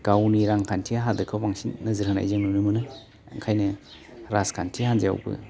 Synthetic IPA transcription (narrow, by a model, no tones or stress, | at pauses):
ɡawniɾaŋkʰantʰiaɦadɯkʰawaŋsinːɐzɯɾhɯna̰jzɯŋnunɯmɯnɯ | ŋkʰajnɐ | ɾaskʰantʰihanza̰wbɯ̰